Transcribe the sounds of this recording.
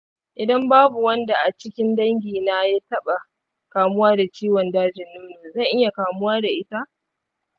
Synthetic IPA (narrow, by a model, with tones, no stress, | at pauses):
ʔɪ˨dɐ˦mbaː˦bu˨wɐ˦nda˨ʔa˨t͡ʃɪ˦kʲɪ˦ndɐ˦ŋɡʲiː˨naː˦ja˦tɐ˦ɓa˨ | kaː˨mʊ˦waː˦da˨t͡ʃiː˦wɔ˨ndaː˦d͡ʒɪ˨nːʊ˦mnu˨zɐ˦˨ŋʔɪ˦ja˨kaː˨mʊ˦waː˦da˨ʔɪ˦ta˦ʔ